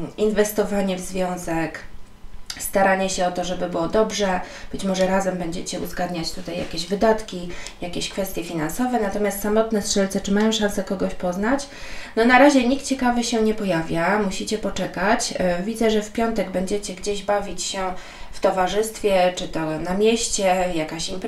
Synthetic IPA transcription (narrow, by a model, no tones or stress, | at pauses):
invɛst̪ɔvaɲɛvzvʲjɔ̃w̃zɛk | st̪aɾaɲɛɕɛɔt̪ɔʐɛbɘbɘwɔd̪ɔbʐɛ | b̥ɘt͡ɕmɔʐɛɾazɛmbɛɲd͡ʑɛt͡ɕɛṵzɡad̪ɲat͡ɕt̪ut̪ajːa̰kʲeʑvɘd̪at̪kʲijakʲeɕkfɛst̪ʲjɛfʲinansɔvɛnat̪ɔmʲjast̪samɔt̪nɛstʂɛlt̪sɛt͡ʂɘmajɔ̃w̃ʂansɛkɔɡɔɕpɔznat͡ɕ | nɔnaɾaʑɛɲikt̪̚t͡ɕɛkavɘɕɛɲɛpɔjavʲjamuɕit͡ɕɛpɔt͡ʂɛkat͡ɕvʲid̪zɛʐɛfpʲjɔnt̪ɛɡbɛɲd͡ʑɛt͡ɕɛɡd͡ʑeʑbavʲit͡ɕɕɛ | ft̪ɔvaʐɘst̪fʲjɛt͡ʂɘt̪ɔnamʲjɛɕt͡ɕɛjakaɕimp